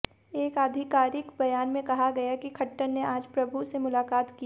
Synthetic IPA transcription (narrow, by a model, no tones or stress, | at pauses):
eːkaːd̪ʱɪkaːɾɪkbɐjaːnmẽkɐɦaɡɐjakikʰɐʈːənneʔaːd͡ʒpɾɐbʱusemʊlaːkaːt̪ki